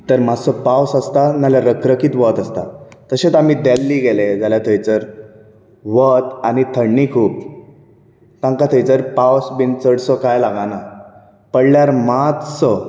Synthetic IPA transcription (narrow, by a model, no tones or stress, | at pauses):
t̪əɾmasɔpawsəst̪analjaɾəkɾəkiːt̪ʋət̪əst̪a̰t̪əɕet͡sam̤iːd̪ɛlːiːɡeled͡zaljat̪ʰəjt͡səɾ | ʋət̪anit̪ʰəɽnikʰuːp̚ | t̪ãŋkat̪ʰəjt͡səɾpawsbint͡səɽsɔkajlaɡãna | pəɽljaɾmat̪sɔ